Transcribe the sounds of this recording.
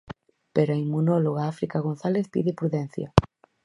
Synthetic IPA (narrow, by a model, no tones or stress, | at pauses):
peɾaimːunɔloɣaafɾikaɣonθaleθpḭðɪpɾuðɛn̟θja̰